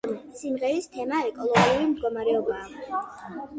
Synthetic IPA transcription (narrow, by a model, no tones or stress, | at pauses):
simʁɛist̪ʰɛmaɛkʼɔlˠɔɡiuɾimd̪̚ɡɔmaɾɛɔbaː